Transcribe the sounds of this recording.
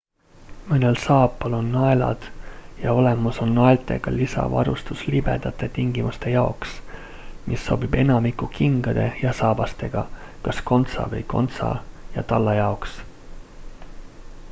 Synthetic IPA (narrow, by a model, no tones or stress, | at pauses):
mɤnelsɑːpːˑɑlo̞nːɑelɑ̰d̪̥jɑo̞le̞muso̞nːɑelt̪ˑe̞̰ɡ̥ɑlisɑ̰vɑ̰ɾust̪uslib̥e̞̰d̪̥ɑt̪ːˑe̞t̪iŋɡ̥imust̪e̞jɑoks | mʔisːo̞bibe̞nɑmikːukiŋɡ̥ɑd̪̥e̞jɑsɑːbɑst̪e̞ɡ̥ɑkɑsko̞nt̪sɑ̰vɤjko̞nt̪sɑ̰jɑt̪ɑlːɑjɑoks